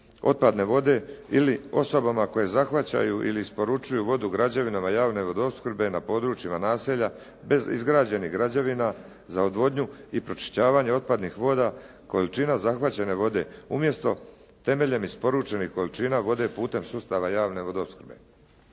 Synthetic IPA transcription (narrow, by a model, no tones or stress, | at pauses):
o̞̰t̪̚pad̪ne̞ʋo̞d̪e̞ilio̞so̞bamako̞je̞zaxʋat͡ɕa̰juʔḭliːspo̞ɾut͡ʃujuʋo̞d̪uɡɾad͡ʑaʋinamajaːʋne̞ʋo̞d̪o̞skr̩ɾbe̞napo̞ːd̪ɾut͡ʃimanaːseʎa | be̞zḭzɡɾaːd͡ʑeniɣɡɾad͡ʑaʋina | zaod̪ʋo̞d̪ɲuipɾo̞t͡ʃi̥ʃt͡ɕaːʋaɲeo̞t̪̚pad̪nixʋo̞ːd̪a | ko̞lit͡ʃinazaxʋat͡ɕe̞ne̞ʋo̞d̪e̞̰umje̞st̪o̞ | t̪e̞me̞ʎe̞mispo̞ɾut͡ʃe̞nixko̞lit͡ʃinaʋo̞d̪e̞puːt̪e̞msust̪aʋajaːʋne̞ʋo̞d̪oskr̩be̞̰